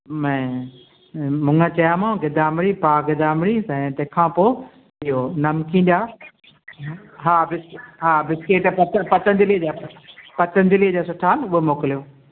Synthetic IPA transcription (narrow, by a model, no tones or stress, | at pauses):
mɛ̃ː | mʊ̃ŋɡət͡ɕɐjaːmãːɡɪd̪aːmɪɾipaːɡɪd̪aːmɪɾisɐ̃t̪ɐ̃ːkʰãːpoː | ɪɦonɐmkʰĩːnd̪aː | ɦaːbɪsɦaːbɪskeːʈpɐtpɐt̪ə̃nd̪ɪlid͡ʑaːpɐt̪ənd̪ɪlid͡ʑaːsʊʈʰaːlʊɦomoːkɪlijoː